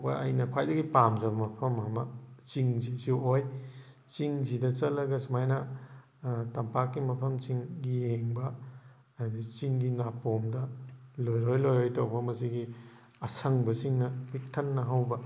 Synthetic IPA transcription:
pa̰a̰jnɐkʰwajdɐɡipamzɐbɐmɐpʰɐmamɐt͡ʃiŋzisiwoj | t͡ʃiŋzidɐt͡ʃɐlɐɡɐsumajnɐ | tɐmpakːimɐpʰɐmt͡ʃiŋɡijeŋbɐ | dit͡ʃiŋɡinapomdɐlojɾojlojɾojtawpʰɐmɐsiɡi | ɐsʰɐŋbɐsiŋnɐpik̚tʰɐnːɐɦawbɐ

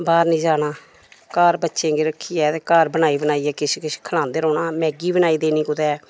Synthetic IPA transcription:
baːɾnĩːd͡ʒaːnaː | kaːɾbətːʃẽːŋɡeːɾəkʰːiːɛːt̪eːkaːɾbənaːiːbənaːiːɛːkɪʃkɪʃkʰəlãːnd̪eːɾɔːnaːmɛ̃ːɡiːbənaːiːd̪eːnĩːkʊd̪ɛː

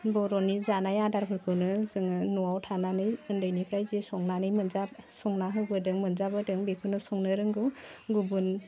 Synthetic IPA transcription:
bɔɾɔnizanajadaɾpʰɯɾkʰɯwnɯzɯŋɯnuwawtʰananɯjɯndɯjnipʰɾajzisɔŋnanɯjmɯnzasɔŋnaɦɯbɯdɯŋmɯnzabɯdɯŋbikʰɯnɯsɔŋnɯɾɯŋɡɯɡubun

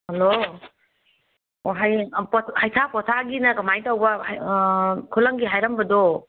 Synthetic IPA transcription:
hɐlo | ɦajpɔhajtʰapɔtʰaɡinɐkɐmajtawbɐ | kʰulɐŋɡiɦajɾɐmbɐdo

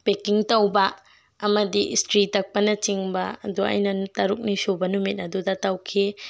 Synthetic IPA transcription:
pekiŋtɐwbɐː | mɐdḭstɾitɐk̚pɐnɐt͡ʃiŋbɐɐ̰duɐ̰jnɐtɐɾuk̚nisobɐnumit̚ɐdudɐtɐwkʰe

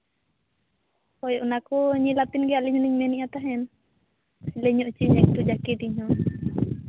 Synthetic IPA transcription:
pɔjɔʔnakuɲilat̪inɡɛaʔliɲuniɲmɛniʔat̪aɦɛn | lɛɲɔʔt͡ʃiɲak̚t̪ud͡ʒakit̪iɲɔn

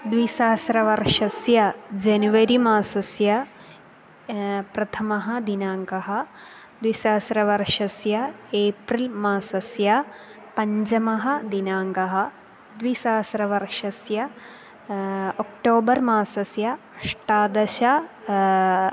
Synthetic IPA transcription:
d̪ʋisɐːɐsɾɐʋɐɾʂɐsjɐd͡ʒɐnuʋɐɾimaːsɐsjɐ | pɾɐt̪ʰɐmɐɦɐ̆d̪inaːŋɡɐɦɐ̆ | d̪ʋisɐːɐsɾɐʋɐɾʂɐsjɐeːpɾilmaːsɐsjɐ | pɐɲd͡ʒɐmɐɦɐd̪inaːŋɡɐɦɐ̆ | d̪ʋisaːɐsɾɐʋɐɾʂɐsjɐ | ok̚ʈoːbɐɾmaːsɐsjɐ | ɐʂʈaːd̪ɐʃɐ

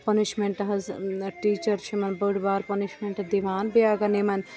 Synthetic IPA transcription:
pɐniʃmeɳʈɐɦɐzʈiːt͡ʃɐɾt͡ʃʰimɐnbəɽbaːɾpɐniʃmeɳʈɐd̪iʋaːnbijaːɡɐnemɐn

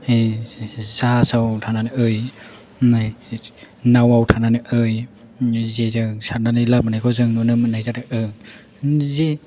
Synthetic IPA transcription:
zasawtʰananɯʔɯj | nawawtʰananɯʔɯj | zezɯsaɾnanɯjlap̚manajkʰɔzɯŋnɔnɯmnajzadɯʔɯ | ze

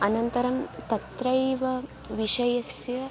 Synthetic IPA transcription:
ɐnɐnt̪ɐɾɐmt̪ɐt̪ɾɐjʋɐ | ʋiʃɐjɐsjɐ

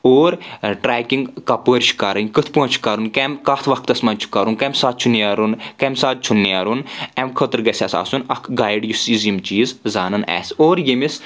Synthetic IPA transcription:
oːɾʈɾaːkiŋɡkɐpəːɾʲt͡ʃʰi̥kaɾɐnʲkɨt̪ʰpuɐ̃nt͡ʃʰu̥kɐɾunkɛmkaːt̪ʰʋɐk̚t̪ɐsmɐnʲt͡ʃʰu̥kɐɾunkɐmsaːt̪̚t͡ʃʰuniaɾunkɛmsaːd̪̚t͡ʃʰunːiaɾunɛmkʰət̪ɾɡɐsʲasa̰ːsunɐkʰɡaːjɖjusiːzimt͡ʃiːzzaːnɐnɛ̰ːsʲoːɾjemis

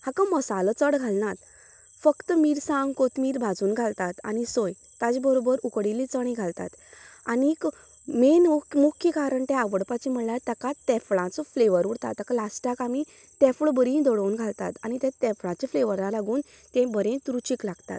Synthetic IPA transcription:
hakãməsalət͡səɽɡʱalnat̪ | fəkt̪əmiːɾsãŋɡkot̪miːɾbʱad͡zuːnɡʱalt̪at̪a̰ñisoj | t̪ad͡zbəɾobəɾukɽilit͡səɽ̃ĩɡʱalt̪a̰t̪ | anik | menukmukʰjəkaɾəɳt̪ɛ̃aʋəɽpat͡ɕim̤əɽlaɾt̪akat̪ɛfɭãt͡sɔfleʋəɾuɽt̪a̰t̪ːakalasʈakami | t̪ɛ̃fɭbəɾĩd̪ɔɽounɡʱalt̪a̰t̪anit̪ɛ̃t̪ɛ̃fɭãt͡ɕefleʋəɾlalaɡuːn | t̪ɛ̃bəɾẽt̪ɾut͡ɕiklaɡt̪a̰t̪

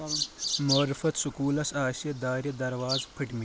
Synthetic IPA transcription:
moːɾɪfɐt̪sʊkuːlɐsaːʃijɐd̪aːɾjɐd̪ɐɾʋaːzpʰɐʈmi

